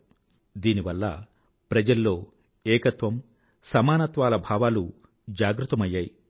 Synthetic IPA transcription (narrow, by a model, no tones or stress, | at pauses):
d̪iːniʋɐlːɐ̰ | pɾɐd͡ʒɐlːo̞ː | ɛːkɐt̪ʋɐm | sɐmaːnɐt̪ʋaːlɐbʱaːʋaːlu | d͡ʒaːɡɾut̪ːɐmɐjːaːji